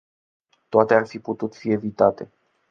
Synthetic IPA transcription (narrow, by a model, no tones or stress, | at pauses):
t̪oat̪earfiput̪ut̪fie̞vit̪at̪e̞